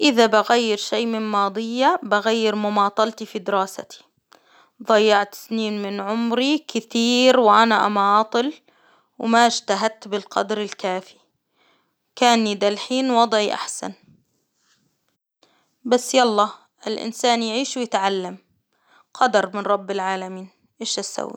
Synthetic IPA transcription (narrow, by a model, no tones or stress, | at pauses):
ʔɪðabaɣajːɪɾʃeːmɪnmɑːd̪ˤɨjːabaɣajːɪɾmʊmɑːt̪ˤɑlt̪ifid̪ɪɾɑːsat̪ʰi̥ | d̪ˤɑjːɑʕt̪sniːnmɪnʕʊmɾikɪθiːɾwʔanaʔɑ̰mɑːt̪ˤɨl | wmaʃt̪aɦat̪bɪlqɑd̪ɾɪlkaːfi̥ | kaːnːid̪alħiːnwɑd̪ˤʕiʔa̰ħsa̰n | basːjalˤːɑː | ʔɪlʔɪ̰nsaːnjɪʕiːʃwjɪt̪ʕalːam | qɑd̪ɑɾˤmɪnɾˤɑbːɪlʕaːlamiːn | ʔeːʃʔasa̰wːḭ